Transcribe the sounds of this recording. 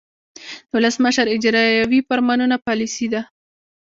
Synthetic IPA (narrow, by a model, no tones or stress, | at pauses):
d̪wʊləsməʃaɾɪd͡ʒɾɑjawifaɾmanunapɑlisid̪a